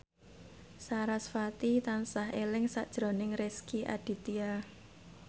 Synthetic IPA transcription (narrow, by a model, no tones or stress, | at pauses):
saɾasfat̪it̪ansaɦelɪŋsa̰ʔd̥ʒ̥ɾo̤nɪŋreskiʔa̰ɖ̥i̤t̪ia